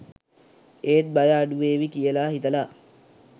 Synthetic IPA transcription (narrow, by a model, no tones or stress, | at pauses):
eːt̪̚bajaːɖuʋeːʋikijəlaːɦit̪əla